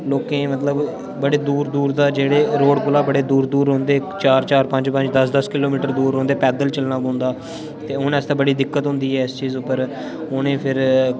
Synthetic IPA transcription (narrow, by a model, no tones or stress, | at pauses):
loːkẽːmət̪ləb | bəɽeːd̪uːɾd̪uːɾd̪aːd͡ʒeːɽeːɾoːɽkʊlaːbəɽeːd̪uːɾd̪uːɾɦõːnd̪eːt͡ʃaːɾt͡ʃaːɾpə̃ɲd͡ʒpə̃ɲd͡ʒd̪əsd̪əskɪloːmiːʈəɾd̪uːɾɦõːnd̪eːpɛːd̪əlt͡ʃəlnaːbõːnd̪aː | t̪eːʊnɛst̪aːbəɽiːd̪ɪkːət̪ɦʊ̃nd̪iːɦɛːɪst͡ʃiːzʊpːəɾ | ʊnẽːpʰɪɾ